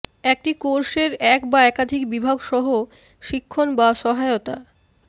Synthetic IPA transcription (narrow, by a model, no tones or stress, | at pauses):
ek̚ʈikoɾʃeɾɛkbaɛkad̪ʱikbibʱaɡʃɔɦo | ʃikʰːonbaʃɔɦaeot̪a̰